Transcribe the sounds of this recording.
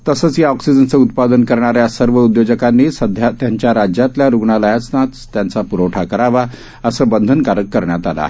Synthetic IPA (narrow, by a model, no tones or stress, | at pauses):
t̪əsəːt͡sjaɔksid͡ʑənt͡səut̪pad̪ənkəɾɳ̃aɾjasəɾʋəud̪jod͡ʑəkanːiːsəd̪ʱjat̪jaɲt͡ɕjaɾad͡ʑjat̪ljaɾuɡɳaləjat͡snat̪t̪jant͡sapuɾoʈʰakəɾaʋa | əsəbənd̪ʱənkaɾəkːəɾɳjat̪ala̰